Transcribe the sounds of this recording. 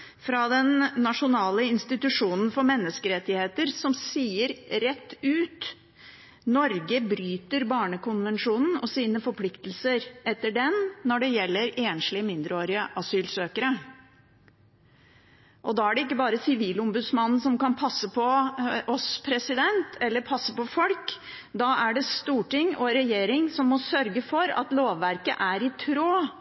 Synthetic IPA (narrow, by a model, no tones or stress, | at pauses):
fɾɑd̪ɛnːɑʂʊnɑːləɪnst̪ɪt̪ʉʂuːnn̩fɔɾmɛnːəskəɾɛt̪ːɪheːt̪əɾsɔmsiːəɾɾɛt̪ːʉːt̪ | nɔɾɡəbɾyːt̪əɾbɑːɳəkʰʊnʋɛnʂuːnn̩ɔsiːnəfɔɾpʰlɪkt̪lsəɾɛt̪ːəɖɛnːɔɖɛjɛlːəɾeːnʂlɪəmɪnd̪ɾəoːɾɪəʔɑsyːlsøːkəɾə | ʔɔd̪ɑæɖɛɪkːəbɑːɾəsɪʋiːlʊmbʉd̪smɑnn̩sɔmkɑnpʰɑsːəpʰɔʔɔspʰɾɛsɪd̪ɛnt̪ʰɛlːəɾpʰɑsːəpɔfɔlk | d̪ɑæɖɛst̪uːʈɪŋɔɾɛjeːɾɪŋsɔmːɔsœɾɡəfɔɾɑ̰t̪loːʋːæɾkə̰ʔæɾɪt̪ʰɾoː